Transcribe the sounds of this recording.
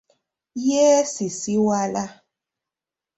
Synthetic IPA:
jɛːsisiwala

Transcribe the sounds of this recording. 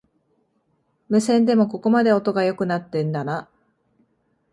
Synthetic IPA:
mɯ̟sẽ̞nd̪e̞mo̞ko̞ko̞mad̪e̞o̞t̪o̞ɡajo̞kɯ̟nat̪ːẽ̞nd̪ana

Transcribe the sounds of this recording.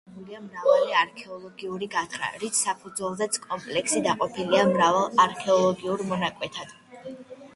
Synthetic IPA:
uliamɾavaliaɾkʰɛɔlˠɔɡiuɾiɡat̪χɾa̰ɾit̪sʰsapʰud̪zwɛlˠzɛt̪sʰkʼɔmpʼlɛksid̪aqʼɔpʰiliamɾavalˠaɾkʰɛɔlˠɔɡiuɾmɔnakʼwɛt̪ʰad̪̥

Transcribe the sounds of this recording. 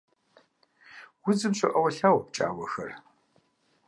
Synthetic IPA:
wʊzɨmɕʼɪʔʼɐwɐɬaːwp̚t͡ʃʼa̰ːwɐxɐr

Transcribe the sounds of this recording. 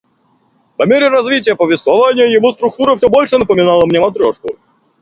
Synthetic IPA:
pɐmʲeɾʲɪrɐzvʲitʲɪjəpəvʲɪst̪vɐvanʲɪjəjɪmust̪ɾʊk̚t̪uɾəfsʲobo̞lʲʂɨnəpəmʲɪnalˠəmnʲemɐt̪ɾʲoʂkʊ̰

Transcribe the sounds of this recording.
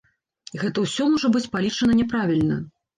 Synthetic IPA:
iɣɛt̪ɐwsʲɔmɔʐɐbɨt͡sʲpalʲit͡ʂɐnɐnʲɛpɾavʲilʲnɐ

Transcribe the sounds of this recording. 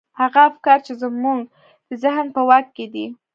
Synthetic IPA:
haɣaːfkɑɾt͡ʃezəmuɡ | d̪̥əzɪɦnpəwakked̪i

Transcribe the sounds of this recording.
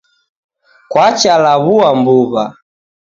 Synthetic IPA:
kwat͡ʃalaβuambuβa

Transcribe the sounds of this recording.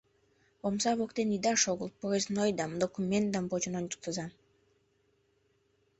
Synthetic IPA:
omsɑβokt̪enid̪ɑʃoɣəlˠt̪̚poeznojd̪ɑmd̪okumʲent̪̚d̪ɑmpot͡ʃənont͡ʃu̥k̚t̪əzɑ

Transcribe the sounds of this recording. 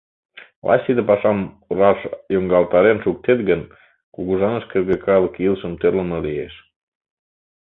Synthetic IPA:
lʔɑ̰ɕid̪əpɑsɑm | rɑʃjoŋɡɑlt̪ɑɾenʃuk̚t̪et̪ɣən | kuɣuʒɑnəʃkəɣekʰɑlkilsəmt̪ørləməlieʃ

